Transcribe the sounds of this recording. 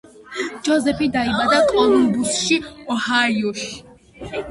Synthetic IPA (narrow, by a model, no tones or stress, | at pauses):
d͡ʒɔzɛpʰid̪aibad̪akʼɔnumbusʃiɔhajɔʃ